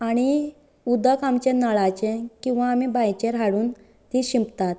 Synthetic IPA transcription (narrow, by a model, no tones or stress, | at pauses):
aɽ̃i | ud̪əkamt͡ɕɛnəɭat͡ɕɛkĩw̃ʋaːmibajt͡ɕẽɾaɽuːn | t̪iɕimpt̪at̪̚